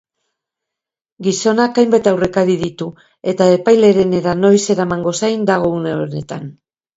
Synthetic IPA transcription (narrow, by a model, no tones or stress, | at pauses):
ɡiso̞nakajmbat̪awre̞kaɾiðit̪u | e̞t̪ae̞pajle̞ɾe̞ne̞ɾano̞jse̞ɾamaŋɡo̞sajnd̪aɣ̞o̞une̞one̞t̪an